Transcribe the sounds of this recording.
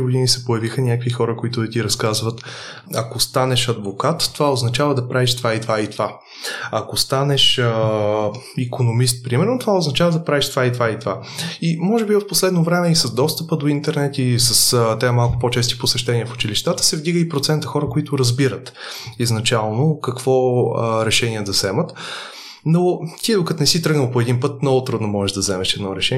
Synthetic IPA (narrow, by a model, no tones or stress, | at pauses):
ɡod̪inisɛpojɐvixənʲakvixɔɾəkoit̪ʊt̪iɾɐskazvət̪ | ɐkost̪anɛʃɐd̪vokat̪ːovaoznɐt͡ʃavɐd̪ɐpɾaviʃt̪vait̪vait̪va | ɐkost̪anɛʃ | ikonomis̬t̪̚pɾimɛɾnot̪ovaoznɐt͡ʃavəd̪ɐpɾavɛʃt̪vait̪vait̪vaimɔʒɛbivəfposlɛd̪novɾɛmɛisɐzd̪ɔst̪əpəd̪oint̪ɛɾnɛt̪isəst̪ɛamalˠkʊpɔt͡ʃɛst̪i̥posɛʃt̪ɛnʲiəfʊ̥t͡ʃiliʃt̪at̪ə̥sɛvd̪iɡəipɾot̪sɛnt̪əxɔɾəkoit̪ʊɾɐzbiɾət̪iznɐt͡ʃalˠnokɐkv̥ɔɾɛʃɛniɛd̪ɐzɛmət̪ | not̪iɛd̪ʊkət̪nɛsit̪ɾɤɡnəlˠpoɛd̪inpɤt̪̚nɔvot̪ɾud̪nomɔʒɛʒd̪ɐzɛmɛʃɛd̪nɔɾɛʃɛ